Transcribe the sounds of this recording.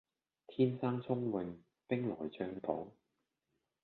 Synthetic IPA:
t̪ʰiː˥nsaː˥ŋt͡sʰʊ˥ŋwɪ˨˧ŋ | pɪ˥ŋlɔ̰ː˨˩jt͡ʃœː˧ŋp̪ʰɔ˨˥w

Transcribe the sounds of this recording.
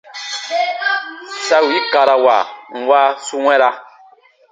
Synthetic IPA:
sa˦wi˦ka˨ɾa˨wa̰˨ŋ̩˨wa˦su˦ŋɛ̃˦ɾa˧

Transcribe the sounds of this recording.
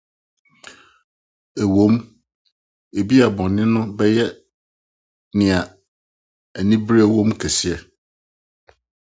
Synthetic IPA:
ɛ˨wõ˦m | e˨bi˦a˨bɔ̃˨nːɪ̃˦nʊ̃˦bɛ˦jɛ˦ | nɪ̃˨a˨ | ɛ˨nĩ˦bɾi˦ɛ˦wõ˦mkʰɛ˨si˦ɛ˨

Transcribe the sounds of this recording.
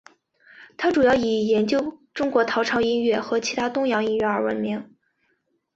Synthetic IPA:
t̪ʰa˥ʈ͡ʂu˨˩jɑ˥˩ʊi˨˩jɛ˧˥nt͡ɕjo˥ʊʈ͡ʂʊ˥ŋkwɔ˧˥t̪ʰɑ˧˥ʊʈ͡ʂʰɑ˧˥ʊi˥nɥɛ˥˩xɤ˧˥t͡ɕʰi˧˥t̪ʰa˥t̪ʊ˥ŋjɑ˧˥ŋi˥nɥɛ˥˩ə˞˧˥wə̰˧˥nmi˧˥ŋ

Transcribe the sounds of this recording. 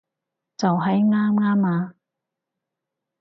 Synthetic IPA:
t͡sɐ˨wɦɐ˨˥jŋaː˥mŋaː˥maː˨˧

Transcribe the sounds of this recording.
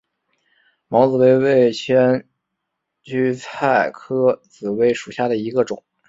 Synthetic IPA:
mɑ˧˥ʊt͡sɹ̩˨˩we˥˧ɪwe˥˩ɪt͡ɕʰjɛ˥n | t͡ɕy˥t͡sʰa˥˩ɪkʰɤ˥t͡sɹ̩˨˩we˧˥˩ɪʂu˨˩ɕja˥˩d̪ə˩i˧˥ɡə˧ʈ͡ʂʊ̰˨˩˦ŋ

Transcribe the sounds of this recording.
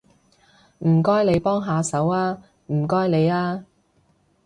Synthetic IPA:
m̩ː˨˩kɔː˥jle˨˧jpɔː˥ŋɦaː˨˧sɐ˨˥waː˥ | m̩˨˩kɔː˥jne˨˧jaː˥

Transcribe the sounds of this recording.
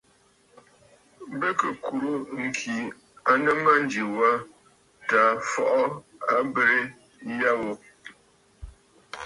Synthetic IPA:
bə˦kə˨kʰu˨ɾo˦ŋ̩˨kʰi˨ | a˦nə˦ma˦n̩˦d͡ʒi˨wa˦ | ta˨fɔ˦ʔɔ˦ | a˦bə˦ɾe˦ | ja˦wo˦

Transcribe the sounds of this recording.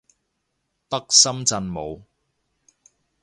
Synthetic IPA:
t̪ɐ˥k̚sɐ˥mt͡sɐ˧nmo˨˧w

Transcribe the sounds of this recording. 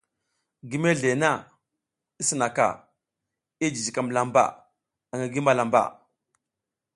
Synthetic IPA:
ɡi˦me˦ɮe˨na˦˨ | i˦sə˨na˨ka̰˨ | i˦d͡ʒi˨zi˨ka˨m˨la˨mba̰˨ | a˨ŋa˨ɡi˦ma˨la˨mba̰˨

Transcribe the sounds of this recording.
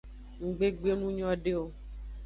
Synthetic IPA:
ŋ̩˨ɡ͡be˦ɡ͡be˦nũ˦ɲɔ̃˦ɖe˦o˦

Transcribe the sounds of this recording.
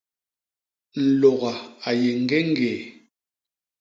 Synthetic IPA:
n̩˨lɔ˨ɣa˨a˨je˨ŋ̩˨ɡɛ˦ŋ˦ɡeː˨

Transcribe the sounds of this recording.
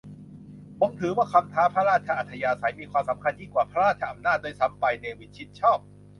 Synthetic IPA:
mo˨˧˥mt̪ʰɯː˩˦waː˥˩kʰa˧mt̪ʰaː˦˥pʰɾa˥ɾaː˥˩t̪̚t͡ɕʰa˧ʔa˨˩t̪ʰːa˧jaː˧sa˩˦jmiː˧kʰwaː˧msa˩˦mkʰa˧nt͡ɕi˧˩ŋkwaː˨˩pʰa˦˥ɾaː˥˩t̪̚t͡ɕʰa˧ʔa˧mnaː˥˩t̪̚doː˧jsa˩˦mpa˧jneː˧wi˦˥t̪̚t͡ɕʰi˦˥t̪̚t͡ɕʰɔː˥˩p̚

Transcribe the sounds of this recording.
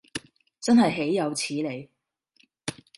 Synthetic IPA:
t͡sɐ˥nɦɐ˨jɦe˨˥jːɐ˨˧wt͡sʰiː˨˥le˨˧j

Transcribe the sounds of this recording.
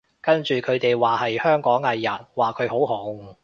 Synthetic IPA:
kɐ˥nt͡ʃyː˨kʰɵ˨˧ɥt̪e˨jwaː˨˩hɐ˨jhœː˥ŋkɔː˨˥ŋɐː˨˧jɐ˨˩t̚waː˨kʰɵ˨˧ɥɦo˨˥wɦo˨˥ŋ

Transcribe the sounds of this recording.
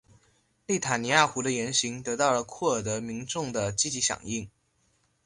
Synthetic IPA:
li˥˩t̪ʰa˨˩ni˧˥ja˥˩xu˧˥d̪ə˧jɛ˧˥nɕi˧˥ŋt̪ɤ˧˥t̪ɑ˥˩ʊlə˩kʰwɔ˥˩d̪ɤ˧˥mi˧˥ŋʈ͡ʂʊ˥˩ŋd̪ə˩t͡ɕi˥t͡ɕi˧˥ɕjɑ̰˨˩ŋi˥˩ŋ

